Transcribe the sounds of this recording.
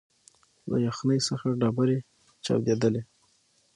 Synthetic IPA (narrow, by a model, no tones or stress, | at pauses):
la̰jaxnəjsəxaɖɑbaɾe | t͡ʃɑ̰wd̪ed̪əle